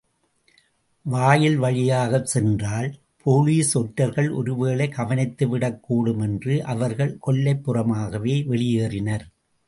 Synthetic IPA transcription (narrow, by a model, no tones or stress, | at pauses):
ʋaːjɪlʋɐɻɪjaːɣɐsɛndraːl | pʰoːliːsɔʈːɐɾɣɐɭʔɔ̰ɾɯʋeːlɐɪkɐʋɐnɪt̪ːɯʋɪɽɐkːuːɽɯmɛndrɯʔɐʋɐɾɣɐɭkɔɭːɐɪpːɯrɐmaːɣɐʋeːʋɛɭɪjeːrɪnɐɾ